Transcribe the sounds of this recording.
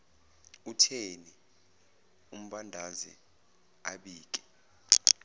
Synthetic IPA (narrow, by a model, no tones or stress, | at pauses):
utʰeni | um̩ɓandʱazɛ̰ | a̰ɓiːk̬ʼɛ̥